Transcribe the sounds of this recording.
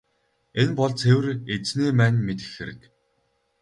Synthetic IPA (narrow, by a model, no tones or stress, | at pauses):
enpɔɮt͡sʰewɘ̆ret͡sneːmæːnmet̪ɘ̥̆xxeɾɘ̆k